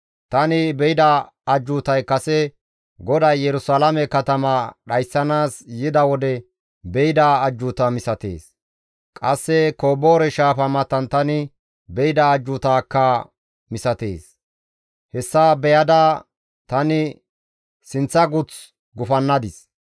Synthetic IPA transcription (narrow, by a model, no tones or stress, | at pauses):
t̪ɐnɪbɛjɪd̪ɐ | ɐd͡ʒːʊt̪ɐjkɐsɛ | ɡɔd̪ɐjːɛɾʊsalɐmɛkɐt̪ɐmɐɗɐjsːɐnaːsjɪd̪ɐwɔd̪ɛ | bɛjɪd̪ɐːd͡ʒːʊt̪ɐmɪsɐt̪ḛːs | kʼɐsːɛkoːboːɾɛʃaːfɐmɐt̪ːɐnt̪ɐnɪ | bɛjɪd̪ɐːd͡ʒːʊt̪aːkːɐ | mɪsɐt̪eːs | hɛsːaːbɛjɐd̪ɐ | t̪ɐnɪ | sɪnt͡sːɐɡʊt͡s | ɡʊfɐnːɐd̪ɪs